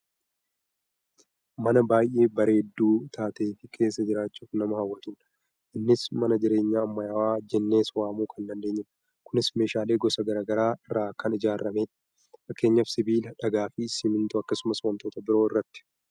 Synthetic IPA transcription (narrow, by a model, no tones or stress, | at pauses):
mɐnɐbaːjʔe̞ːbɐɾe̞ːd̪ːuːt̪ʰaːt̪e̞ːfɪkʰe̞ːsːɐd͡ʒɪɾaːt͡ʃːuːfnɐmɐhɐwːɐt̪ʊn | ʔɪnːɪsmɐnɐd͡ʒɪɾe̞ːɲːaːɐmːɐjawaːd͡ʒɛnːe̞ːswaːmuːkʰɐnd̪ɐnd̪e̞ːɲːɪn | kʊnɪsme̞ːʃaːle̞ːɡɔsɐɡɐɾaːɡɐɾaːɪrːaːkʰɐnɪd͡ʒaːrːɐmeːᶑ | fɐkːe̞ːɲːɐfsɪbiːlɐᶑɐɡaːfɪsɪmɪnt̪ʊɐkːɐsʊmɐsʊmɐnt̪oːt̪ɐbɪɾoːɪrːɐt̪ːɪ̥